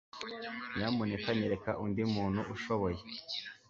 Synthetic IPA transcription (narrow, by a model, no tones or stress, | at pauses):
jamunekaɲiɾeka̰ʔundimuːn̥uʔuʃoβoje